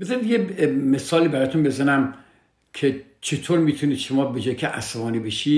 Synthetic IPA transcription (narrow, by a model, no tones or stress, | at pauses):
bezɑnid̪jeme̞sɒːliːbæɾɒːt̪unbe̞zænæm | kʲʰet͡ʃʰet̪ʰoːɾmiːt̪ʰuniːd̪ʃomɒːbed͡ʒɒːjikʰʲeʔæ̰sævɒːniːbeʃiː